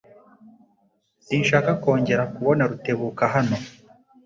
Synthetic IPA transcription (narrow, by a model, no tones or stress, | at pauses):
siːnʃaːkako̞ːɲɟe̞ɾakuβo̞naɾute̞βuːkaɦano̞